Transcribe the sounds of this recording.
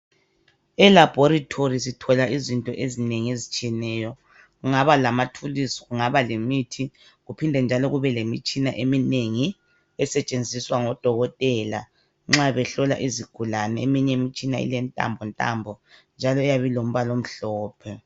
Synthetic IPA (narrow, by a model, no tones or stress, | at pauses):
ɛlab̥ʱoɾitʰoris̬itʰɔlaizintʼɔʔezineŋiezit͡ʃʼiɛnɛːjɔ | ɣuŋaβalamatʰulisɔ̥ɣuŋaβalemitʰi | ɣupʰindʱɛnd͡ʒʱalɔɣuβɛlemit͡ʃʼinaʔemineŋi | ɛsɛt͡ʃʼend͡zʱiswaŋɔd̥ʱɔɣɔtʼɛla̰ | ŋ͡ǁaβɛɬɔla̰ʔiziɡ̥ʱulanɛḛmiɲɛmit͡ʃʼina̰ḭlɛntʼa̰mbʱɔntʼa̰mbʱɔnd͡ʒʱalɔɛjaβilom̩βalom̩ɬɔːpʰɛ